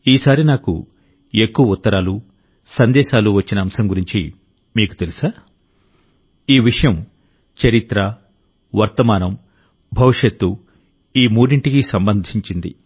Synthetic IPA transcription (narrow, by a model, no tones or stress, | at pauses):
iːsaːɾinaːkṵ | ekːuʋɐut̪ːɐɾaːlu | sɐnd̪ɛːʃaːluʋɐt͡ʃːinɐːmsɐmɡuɾiɲt͡ʃḭ | miːku̥t̪e̞lusaː | iːʋiʂɐjɐm | t͡ʃɐɾit̪ɾɐ | ʋɐɾt̪ɐmaːnɐm | bʱɐʋiʂɐt̪ːu | iːmuːɖiɳʈikisɐmbɐnd̪ʱiɲt͡ʃind̪ḭ